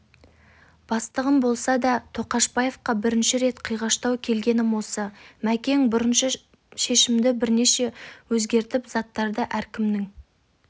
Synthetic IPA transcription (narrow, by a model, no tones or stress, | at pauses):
b̥ɑst̪əʁəmbo̞lˠsɑd̪ɑt̪ʰo̞qɑʃbɑje̞fqɑbɪɾɪnʃɪɾe̞t̪qʰijʁɑʃt̪ɑwkʲʰe̞lɡʲe̞nɪmwo̞lˠsɑmækʲe̞ŋbʊɾənʃə | ʃe̞ʃɪmd̪ɪbɪɾne̞ʃe̞wɵzɡʲe̞ɾt̪ɪpzɑt̪ːɑɾd̪əʔæɾkʲɪmnɪŋ